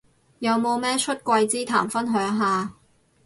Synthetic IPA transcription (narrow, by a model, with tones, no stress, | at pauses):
jɐ˨˧wmo˨˧wmɛː˥t͡ʃʰɵ˥t̚kʷɐ˧jt͡siː˥t̪ʰa̰ː˨˩mfɐ˥nɦœː˨˥ŋɦaː˨